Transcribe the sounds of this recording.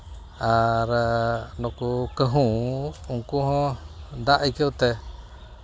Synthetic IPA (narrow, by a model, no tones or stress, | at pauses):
aɾanõkukəɦũũkuɦõnd̪aʔikeut̪e